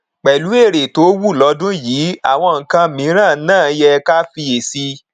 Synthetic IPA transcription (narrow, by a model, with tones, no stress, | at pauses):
k͡pɛ˨lu˨˦e˦˨ɾe˨to˨˦wu˦˨lɔ˧˦dũ˦jiː˨˦a̰˨w̃ɔ̃˧ŋ̩˨kã˧mĩ˨˦ɾ̃ãː˦˨˦nãː˦˨˦jɛ˧ka˦fi˧e˨si˧